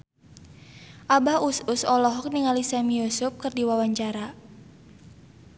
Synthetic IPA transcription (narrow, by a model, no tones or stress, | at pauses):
ʔabausʊsɔlɔɦɔk̚niŋalisamijusʊp̚kərdiwawaɲt͡ʃaɾa